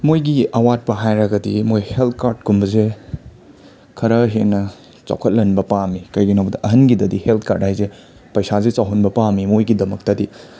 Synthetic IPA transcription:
mojɡiɐwat̚pɐɦajɾɐɡɐdimojhelt̪̚ʰkaɾd̚kʰumbɐze | kʰɐɾɐɦenːɐ | t͡ʃa̰wkʰɐt̚lɐnbɐpamikɐjɡinɐwbɐdɐʔɐɦɐnɡidɐdihelt̪̚ʰka̰ɾt̚hajze | pɐjsazet͡ʃawɦunbɐpamimojɡidɐmɐk̚tɐdi

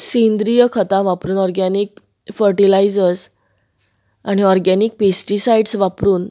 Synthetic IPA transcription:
send̪ɾijəkʰət̪ãʋapɾuːnɔɾɡaniːk | fəɾʈilajd͡zəɾs | aɽ̃ñiɔɾɡaniːk̚pesʈisaiɖsʋapɾuːn

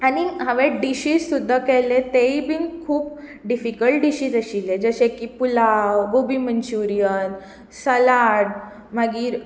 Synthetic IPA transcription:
añiɦəʋeɖiɕiːzsud̪ʱːakɛlet̪eibiːnkʰuːp | ɖifikəlʈ̚ɖiɕiːd͡zəɕiled͡zəɕekipulawɡobimənt͡ɕuɾijən | səlaɽ | maɡiːɾ

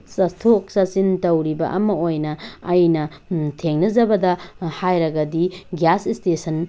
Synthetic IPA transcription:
sɐstʰok̚sɐsintɐwɾibɐ̰ʔɐmɐojnɐɐjnɐ | tʰeŋnɐzɐbɐdɐhajɾɐɡɐdiɡjasistesɐn

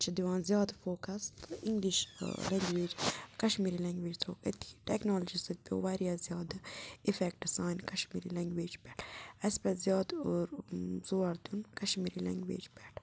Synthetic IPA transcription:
t͡ʃʰid̪iʋãːnzjaːd̪foːkɐst̪iŋɡliʃlɐŋɡʋeːd͡ʒkɐʃmiːɾilɐ̃ŋɡʋeːd͡ʒt̪ʰo̰ːkɐt̪i̥ʈeknoːld͡ʒisɨɡ̚pʲo̰ʋaɾjaːzjaːd̪ifek̚ʈɖisaːjnkɐʃmiːɾḭlɛŋɡʋeːd͡ʒpɛʈʰɐspɐzjaːd̪oɾz̥oːɐɾd̪unkɐʃmiːɾilɐ̰ŋɡʋḛːd͡ʒpɛʈʰ

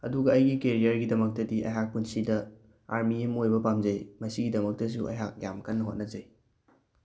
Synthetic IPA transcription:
ɐduɡɐːjɡikeɾijɐɾɡidɐmɐk̚tɐdiʔɐ̰jɦak̚punsidɐ | aɾmiemojbɐpamd͡ʒɐjmɐsiɡidɐmɐk̚tɐs̬uʔɐ̰jɦak̚jamkɐnːɐɦot̚nɐd͡ʒɐj

